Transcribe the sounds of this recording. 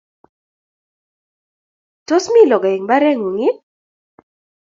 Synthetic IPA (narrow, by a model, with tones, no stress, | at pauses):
to˦smi˦˨lɔ˨ɡa˨i˨ŋba˦ɾɛ˦ŋu˨ŋɪ˦